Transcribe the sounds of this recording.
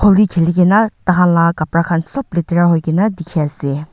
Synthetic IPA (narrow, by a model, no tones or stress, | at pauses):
kʰolɡikʰeliɡenɐtaɦanlakapɾakʰansɔpliteɾaɦojɡinɐdikʰiase